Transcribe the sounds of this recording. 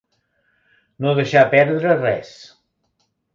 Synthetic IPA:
noðəʃapɛɾðɾərɛs

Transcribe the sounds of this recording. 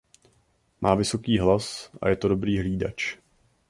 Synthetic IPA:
mʔaːvɪso̞kiːɦlasʔa̰jɛt̪odobɾiːɦliːda̰t͡ʃ

